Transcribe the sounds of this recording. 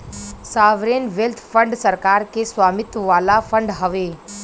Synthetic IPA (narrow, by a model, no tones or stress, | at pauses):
saːʋɾenʋelt̪ʰfʰəɳɖsəɾkaːɾkesʋaːmɪt̪ʋaːlafʰə̃ɳɖɦəʋe